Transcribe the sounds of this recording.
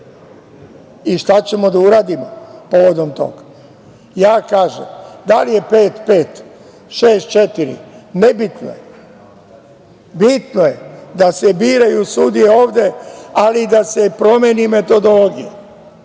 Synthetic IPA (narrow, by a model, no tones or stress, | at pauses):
iʃt̪at͡ɕe̞mo̞d̪auɾaːd̪imopo̞ʋo̞d̪o̞mt̪o̞̰ɡa | jaːkaːʒḛmd̪alije̞pe̞ːt̪peːt̪ | ʃeːst̪̚t͡ʃet̪iɾḭnebit̪no̰je | bit̪nojed̪asebiːɾajusud̪ijeo̞ːʋd̪e̞alid̪asepɾo̞mjenime̞t̪o̞d̪o̞lo̞ɡije